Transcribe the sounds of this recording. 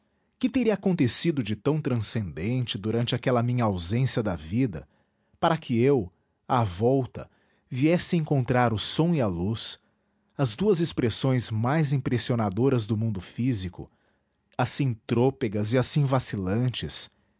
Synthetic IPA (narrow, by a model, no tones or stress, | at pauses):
kɪt̪eɾiɐaːkõnt̪esid̪ʊd͡ʒɪt̪ɐ̃w̃t̪ɾɐ̃sẽnd̪ẽnt͡ʃɪd̪uɾɐ̃nt͡ʃɪakɛlɐmĩɲɐawzẽsiɐd̪ɐvid̪ɐ | paɾɐkʰɪew | avɔwt̪ɐ̰ | viɛsɪẽŋkõnt̪ɾaɾʊsõw̃ialus | ɐzd̪uɐzɪspɾesõj̃zmajzĩpɾesionad̪oɾɐzd̪ʊmũnd̪ʊfizikʊ̰ | asĩt̪ɾopeɡɐzɪasĩvasilɐ̃t͡ʃɪs